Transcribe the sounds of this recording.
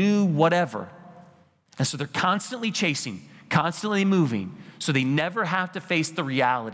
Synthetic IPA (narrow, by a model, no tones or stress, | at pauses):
ʉwʌɾɛvə̰˞ | ɨ̃nsoʊðə˞kʰɑ̃nstɨ̃nʔlit͡ʃʰeɪsɪ̃ŋkʰɑ̃nstə̃n̩ʔlimuvɪ̰̃ŋsoʊðeɪnɛvə˞ɦæftɨfeɪsðɨɹiælˠəɾi